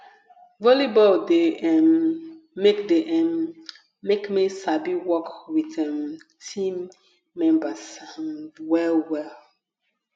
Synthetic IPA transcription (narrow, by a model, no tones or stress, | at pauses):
vɔlibɔldeɛnː | ekdeʔɛ̃nː | ekmisabiwɔkwiθɛ̃m | tʰĩmː | ɛ̃mbasanwɛlwɛl